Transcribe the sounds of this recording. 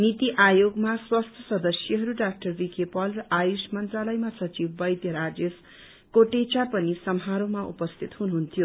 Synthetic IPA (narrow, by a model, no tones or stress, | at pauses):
nit̪iʔajoɡmaswast̪ʰjʌ̥sʌd̪ʌsjʌɦʌɾuɖak̚ʈʌrbikepʌlrʌʔajusmʌnt̪ralʌjmasʌt͡sibbʌjd̪jʌɾad͡zes | koʈet͡sapʌnisʌmɦaɾomaṵpʌst̪ʰit̪ɦunuɦunt̪ʰijo